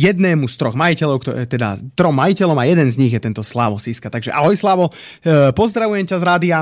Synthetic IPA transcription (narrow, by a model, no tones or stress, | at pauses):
jɛd̪nɛːmust̪ɾɔɣmajicɛlɔʊkt̪ɔɛt̪ɛd̪a̰t̪ɾɔmːajicɛlɔʊmajɛd̪ɛnzɲiɣjɛt̪ɛnt̪ɔslaʋɔsiːskat̪aɡʒɛʔa̰ɦɔjslaʋɔ | pɔzd̪ɾaʋujɛmcazɾaːd̪ia